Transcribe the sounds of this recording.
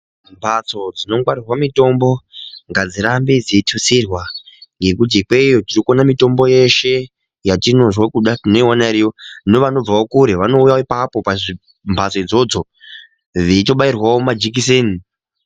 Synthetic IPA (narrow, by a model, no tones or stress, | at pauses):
mbʱat͡so̞d͡zino̞ŋɡwaɾirwamito̞mbo̞ŋɡad͡ziɾambid͡ziitʰusirwaŋɡe̞kut̬ikweijo̞tirikonamito̞mbo̞je̞ʃe̞ | jatino̞ʐwekuɗatino̞iwanaɾionoʋano̞b͡vaokuɾeʋano̞ujaoipapo̞paʐi | mbʱat͡soid͡zo̞d͡zo̞ | ʋito̞ɓairwaomad͡ʒik̬is̬eːni